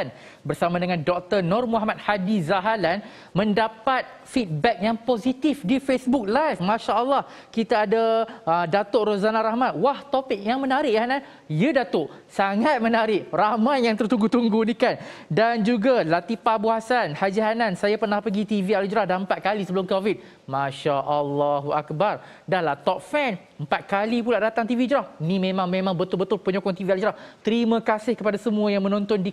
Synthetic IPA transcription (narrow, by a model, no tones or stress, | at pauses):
n | bərsamãdəŋãndɔk̚t̪ənɔrmuɦamat̪̚hadizaɦalan | mə̃ndapat̪̚ | fit̪̚bɛk̚jaŋpozit̪ifdifesbuk̚lajfmãʃaʔəlːah | kit̪aːdaədat̪oʔɾozanaɾahmãt̪̚waht̪opik̚jaŋmənaɾɪʔanan | jədat̪oʔ | saŋat̪̚mənaɾɪʔramajaŋt̪ərt̪uŋɡut̪uŋɡunikandand͡ʒuɡalat̪ipabuasanhad͡ʒaɦanansajapərnahpəɡit̪ivialud͡ʒɾahdaəmpat̪̚kalisəbəlʊmkovit̪̚ | maʃaʔalːaɦuakbar | dahlaht̪ɔp̚fɛn | əmpat̪̚kalipulaʔdat̪aŋt̪ivid͡ʒɾahinimẽmãŋmẽmãŋbət̪ʊlbət̪ʊlpəɲokɔŋt̪iviald͡ʒɾaht̪əɾimə̃kasɪhkəpadasəmũajaŋmə̃nɔ̃nt̪ɔndi